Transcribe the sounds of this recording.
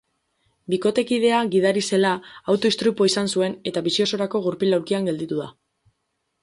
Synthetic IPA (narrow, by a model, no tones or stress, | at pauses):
biko̞t̪e̞kið̞e̞aɣið̞aɾise̞laːwt̪o̞ist̪ɾupo̞isansue̞ne̞t̪aβisio̞so̞ɾako̞ɣ̞uɾpilawɾkiaŋɡe̞ld̪it̪uð̞a